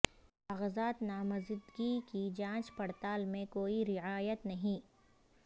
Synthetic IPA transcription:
ɐɣzaːt̪naːmɐzɪd̪ɡikid͡ʒãːt͡ʃpɐɽt̪aːlmẽkoːiɾɪʕaːjət̪nɐɦĩː

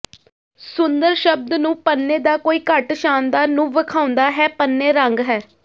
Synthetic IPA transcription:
sʊnd̪əɾʃəb̚d̪nũːpənːeːd̪aːkoːiːkəʈʃaːnd̪aːɾnũːʋəkʰaːʊ̃nd̪aːɦɛːpənːeːɾəŋɡɦɛː

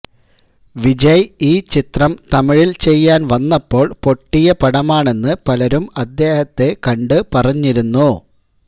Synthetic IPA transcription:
ʋid͡ʑɐjiːt͡ɕit̪rɐmt̪ɐmiɻilt͡ɕe̞jːaːnʋɐnːɐpːo̞ːɭpo̞ʈːijɐpɐɽɐmaːɳe̞nːɨpɐlɐɾumɐd̪ːe̞ːhɐt̪ːe̞kɐɳɖɨpɐrɐɲːiɾunːu

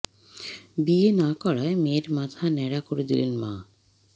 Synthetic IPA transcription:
bienakɔɾaemeɾmat̪ʰanɛɽakoɾed̪ilenma̰

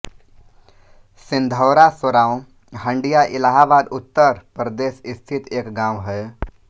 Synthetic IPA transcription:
sɪ̃nd̪ʱɔːɾasəɾaːõ | ɦə̃ɳɖijaʔɪlaːɦaːbaːd̪ʊt̪ːəɾpɾəd̪eːsɪst̪ʰɪt̪eːkɡãːwɦɛ

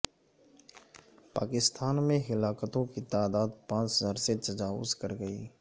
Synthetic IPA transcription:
paːkɪst̪ʰaːnmẽɦɪlaːkət̪õkit̪aːd̪aːd̪pãːt͡ʃzaɾset̪ɐd͡ʒaːʋʊ̰zkɐɾɡəḭː

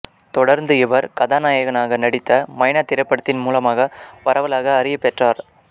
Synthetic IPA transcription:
t̪ɔɽɐɾnd̪ɯɪʋɐɾkɐðaːnaːjɐɣɐnaːɣɐnɐɽɪt̪ːɐmɐɪɳɐt̪ːɪɾɐpːɐɽɐt̪ːɪnmuːlɐmaːɣɐpɐɾɐʋɐlaːɣɐːɾɪjɐpːɛʈraːɾ

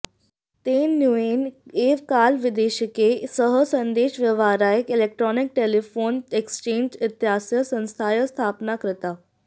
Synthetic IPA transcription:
t̪eːnjueːneːʋkaːlʋɪd̪eːʃəkesəɦəsə̃nd̪eːʃʋjəʋaːɾaːjəkɪlek̚ʈɾɔːnɪk̚ʈeːlifoːnekst͡ɕẽːɲd͡ʒɪt̪jɦaːsjəsə̃nst̪ʰaːjəst̪ʰaːpnakɾɪt̪a

